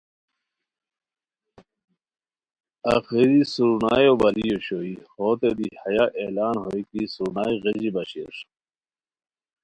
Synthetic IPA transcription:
ɐxiɾisuɾuna̰ːjobɐlijoɕoihoːt̪ed̪ihɐjaʔeːlaːnɦoikisuɾnaːjɣed͡ʑibɐɕiḛʂ

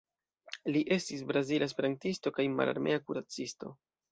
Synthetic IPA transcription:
liʔe̞stis̬bɾazilaespe̞ɾantisto̞kajma̰la̰ɾmʔe̞akuɾat͡sisto̞̰

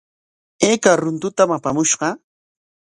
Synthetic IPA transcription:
eːkaɾʊnt̪ʊt̪amapamʊʃɢɑ

